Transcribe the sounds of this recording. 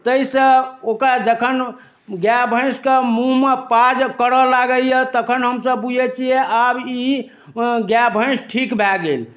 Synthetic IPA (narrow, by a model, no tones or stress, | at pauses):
t̪əisə̃okɾad͡ʒəkʰən | ɡjabʱə̃ɪ̃skemuɦmepad͡ʒkəɾəlaɡəljet̪əkʰənɦəmsəbbud͡ʒʱɛt͡ʃʰiɛabi | ɡjabʱə̃ɪ̃sʈʰikbʱɛɡel